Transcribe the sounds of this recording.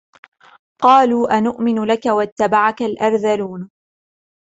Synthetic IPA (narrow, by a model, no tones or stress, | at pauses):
qɑːluːʔanʊʔmɪnlakawat̪ːabaʕakalʔɑɾˤðaluːn